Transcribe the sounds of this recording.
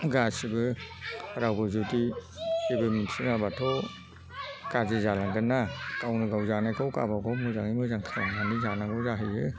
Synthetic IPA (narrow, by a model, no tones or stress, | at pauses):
ɡasibɯhaɾawbɯzudisibɯmisiŋabatʰɔ | kazizalaŋɡɯnːakawnɯɡawzanajkʰawka̰baɡɔmɯzaŋimɯzaŋkʰanananizanaɡɔzaɦɯjɯ